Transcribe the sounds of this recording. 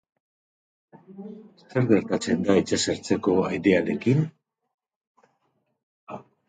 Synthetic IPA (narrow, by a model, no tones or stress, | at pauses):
esteɾɣe̞ɾt̪at͡se̞nd̪ait͡saseɾt͡se̞ko̞ajðe̞aɾe̞kin